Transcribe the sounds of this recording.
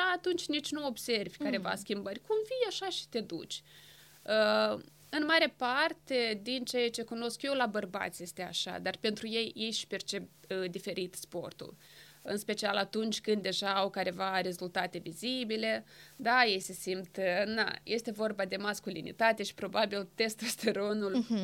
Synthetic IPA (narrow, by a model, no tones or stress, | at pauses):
aːt̪unt͡ʃʲnit͡ʃʲnuo̞bse̞rvʲkaɾe̞va̰skʲimbərʲkumvijaʃaʃi̥t̪e̞d̪ṵt͡ʃʲ | ə | ɨnmaɾe̞part̪e̞d̪int͡ʃejat͡ʃe̞kuno̞skje̞wlabərba̰t̪sje̞st̪e̞a̰ʃa̰d̪arpe̞nt̪ɾuje̞jjejʃi̥pe̞rt͡ʃe̞pd̪ife̞ɾit̪spo̞̰rt̪ṵl | ɨnspe̞t͡ʃialat̪unt͡ʃʲkɨnd̪d̪e̞ʒaawkaɾe̞vaɾe̞zult̪at̪e̞vizibile̞d̪aje̞jse̞simt̪na̰jest̪e̞vo̞rbad̪e̞maskulḭnḭt̪at̪e̞ʃi̥pɾo̞babilt̪e̞st̪ɾost̪eɾo̞nul